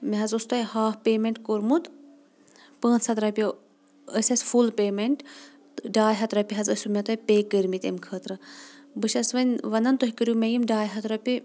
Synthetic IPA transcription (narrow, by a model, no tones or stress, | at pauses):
meɦɐzust̪ojhaːfpeːmeɳʈkoɾmut̪ | pə̃ːnt͡sʰɐt̪ɾɐpʲjo | əsʲɐsʲfulpeːmeɳʈ | ɖaːjɦɐt̪ɾɐpʲiɦɐzəsʲumʲet̪ojpʲeːkɨɾmit̪emkʰəːt̪ɾɨbɨʃɐsʋɐnʲʋɐnɐnt̪oɦʲikɨɾjumʲejimɖaːjɦɐt̪ɾɐpʲi